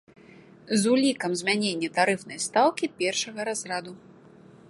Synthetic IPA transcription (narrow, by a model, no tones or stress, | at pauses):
zulʲikɐmzʲmʲanʲenʲːɐt̪aɾɨfn̪ɐjst̪awkʲipʲɛrʂɐɣɐɾazrad̪u